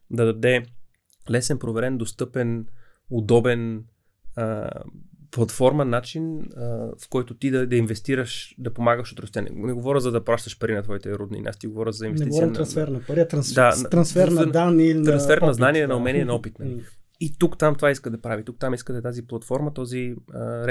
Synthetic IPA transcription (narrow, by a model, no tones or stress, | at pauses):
d̪ɐd̪ɐd̪ɛ | lɛsɛnpɾovɛɾɛnd̪ost̪ɤpɛnod̪ɔbɛn | ə | plˠɐt̪fɔɾmɐnːat͡ʃinəfkɔjt̪ot̪id̪ɐd̪ɐinvɛst̪iɾəʃd̪ɐpomaɡəʃot̪ɾʊst̪janɛ̰nɛɡovɔɾʲəzɐd̪ɐpɾˠaʃt̪ɐʃpɐɾinɐt̪vɔit̪ɛɾud̪nḭn̰ʲa̰st̪iɡovɔɾʲəzɐinvɛsɛiiɔɾint̪ɾɐnsfɛɾnɐɾit̪ɾɐnsdd̪ant̪ɾɐnsfɛɾnd̪anilinɾɐnsfɛɾnɐznaniɛnɐomɛniɛnɐɔpit̪nɐli | it̪ukt̪amt̪ovaiskəd̪ɐpɾavit̪uk̚t̪amiskəd̪ɛt̪aziplˠɐt̪fɔɾmɐt̪ɔziəɾɛ